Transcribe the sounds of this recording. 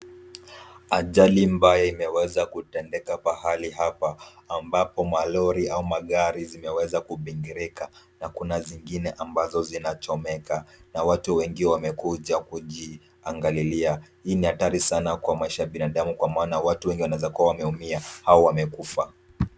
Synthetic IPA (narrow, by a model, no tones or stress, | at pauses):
aʄalimbajaimɛwɛzakutɛndɛkakwahalihapaːmbapɔmalɔɾiaumaɠaɾizimɛwɛzakuɓiŋɡiɾika | nakunaziŋɡinɛʔambazɔzinat͡ʃɔmɛkanawatuwɛŋɡiwɛwamɛkuʄakuʄi | aŋɡaliliahiːnihataɾisanakwamaiʃajaɓinaɗamukwamaːnawatuwɛŋɡiwanaɛzakuawamɛumiahaɔwamɛkufa